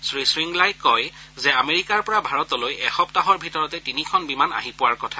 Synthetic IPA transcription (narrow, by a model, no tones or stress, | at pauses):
sɹisɹiŋɡlajkɔj | zɛameɹikaɹpɔɹabʱaɹɔtɔlojɛxɔptaɦɔɹbʱitɔɹɔtɛtinikʰɔnbimana̰ɦipʊwaɹkɔtʰa